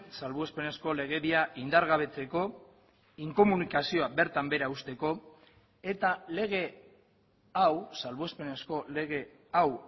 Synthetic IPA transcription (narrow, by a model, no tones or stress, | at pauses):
salβuespe̞ne̞sko̞le̞ɣ̞e̞βiaʔind̪aɾɣaβ̞e̞t͡se̞ko̞ | iŋko̞munikasio̞abe̞ɾt̪ambe̞ɾaust̪e̞ko̞ | et̪ale̞ɣ̞e̞ | awsalβoespe̞ne̞sko̞le̞ɣe̞ | aw